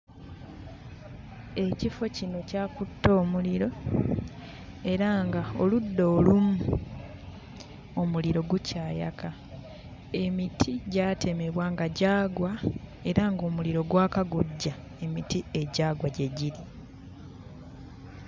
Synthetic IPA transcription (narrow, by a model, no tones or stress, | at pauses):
e̞cifo̞cino̞caːkutːo̞ːmuliɾo̞ | e̞ɾaŋɡao̰ludːo̞ːlumu | o̞muliɾo̞ɡucʰaːja̰kʰa | e̞mitʰiɟaːtʰe̞me̞βwaːŋɡaɟaːɡwae̞ɾaŋɡo̞ːmuliɾo̞ɡwaːkaɡuɟːa | e̞mitie̞ɟaːɡwaɟe̞ɟiɾi